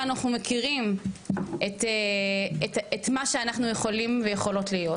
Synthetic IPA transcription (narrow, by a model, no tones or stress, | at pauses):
anaχnumekiʁim | et̪eetetmaʃeanaχnujeχo̞limvejeχo̞lo̞tlijo